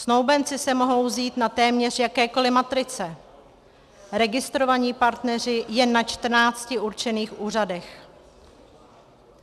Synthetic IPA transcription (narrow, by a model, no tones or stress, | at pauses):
snowbɛnt͡sɪsɛmo̞ɦo̞wziːt̪nat̪ɛːmɲɛr̝jakɛːko̞lɪmat̪ɾɪt͡sɛ | ɾɛɡɪst̪ɾo̞vaɲiːpaɾt̪nɛr̝ɪjɛnːat͡ʃt̪r̩naːt͡scɪʔuɾt͡ʃɛniːxʔuːradɛx